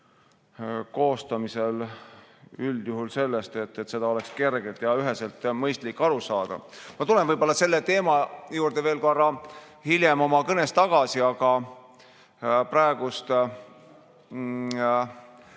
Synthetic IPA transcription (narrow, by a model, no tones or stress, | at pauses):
ko̞ːst̪ɑmise̞l | yld̪̥juɦulse̞lːest̪e̞t̪ːet̪se̞d̪ɑo̞le̞kske̞rɡ̥et̪jɑyɦe̞selt̪ˑmɤjst̪likːɑɾusɑːd̪̥ɑ̰mɑt̪ule̞nvɤjbo̞lːɑse̞lːet̪e̞ːmɑjuːrd̪̥eve̞ːlkorːɑ | hilje̞mo̞mɑkɤne̞st̪ɑɡ̥ɑsiɑɡ̥ɑ | pɾɑeɡ̥ust̪